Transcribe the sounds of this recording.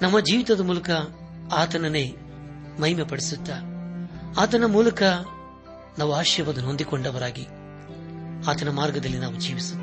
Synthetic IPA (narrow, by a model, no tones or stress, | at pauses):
nɐmːɐd͡ʒiːʋit̪ɐd̪ɐmuːlɐkɐ | aːt̪ɐnɐne̞ː | mɐɦimepɐɽisut̪ːɐ | aːt̪ɐnɐmuːlɐkɐ | nɐʋuaːʃjɐʋɐd̪uɦond̪ikoɳɖɐʋɐɾaːɡi | aːt̪ɐnɐmaːɾɡɐd̪ɐlːinaːʋud͡ʒiːʋisu̥t̪ː